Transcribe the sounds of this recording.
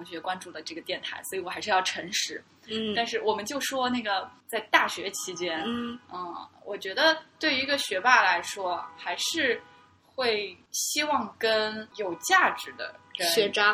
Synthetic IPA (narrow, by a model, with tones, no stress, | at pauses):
ŋɕɥɛ˧˥kwa˥nʈ͡ʂu˥˩d̪ə˩ʈ͡ʂɤ˥˩ɡə˩t̪jɛ˥˩nt̪ʰa˧˥ɪswɔ˧˥i˧˥wɔ˨˩xa˧˥ʂɻ̩˥˧jɑ˥˩ʈ͡ʂʰɤ˧˥ŋʂɻ̩˧˥ | t̪a˥˧nʂɻ̩˥˩wɔ˨˩mə˦nt͡ɕjo˥˩ʊʂwɔ˥na˥˩ɡə˩t͡sa˥˧ɪt̪a˥˩ɕɥɛ˧˥t͡ɕʰi˧˥t͡ɕjɛ˥nə˧˩wɔ˨˩t͡ɕɥɛ˧˥d̪ə˧t̪we˥˩ɪi˧˥ɡə˧ɕɥɛ˧˥pa˥˩la˧˥ɪʂwɔ˥xa˧˥ɪʂɻ̩˥˧ | xwe˥˩ɪɕi˥wɑ˥˩ŋkə˥njo˨˩ʊt͡ɕja˥˩ʈ͡ʂɻ̩˧˥d̪ə̰˨˩kəɕnɛ˧˥ʈ͡ʂa˥